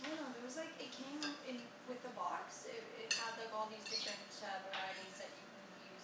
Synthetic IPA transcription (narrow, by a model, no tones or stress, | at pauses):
nonoʊðə˞wʌzlaɪkɨt̚kʰẽɪ̃mɪ̃n | wɪðəbɑksɪɾɪ̰thəd̥laɪkɔlˠðizbɪkɹɛ̃nsʰɛvə˞aɪɾĩzðɨt͡ʃɨkʰɨ̃n | ʉ